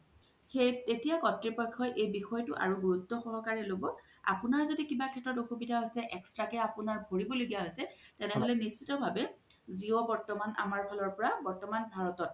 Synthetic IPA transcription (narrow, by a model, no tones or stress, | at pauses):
xetetijakɔtɹipɔjkʰːɔjʔejbixɔjɔtʊʔa̰ɹuɡuɹutːɔxɔɦɔkaɹɛlobɔ | a̰punaɹzodikibakʰɛtɹɔt̬oxubidʱaɦojsɛʔɛkstɹakɛapʊnaɹbʱoɹibɔloɡijaɦojsɛtɛnɛɦolɛnist͡ʃitɔbʱabɛ | ziɔbɔɹtɔmanʔa̰maɹpʰɔlɔɹpɔɹabɔɹtɔmanbʱaɹɔtɔt̚